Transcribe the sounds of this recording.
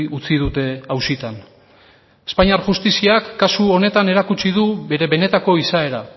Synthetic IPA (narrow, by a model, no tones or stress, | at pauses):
ut͡sið̞ut̪e̞awsit̪an | espaɲiaɾʝust̪isiakːasuo̞ne̞t̪ane̞ɾakut͡ʃið̞uβe̞ɾe̞βe̞ne̞t̪ako̞isae̞ɾa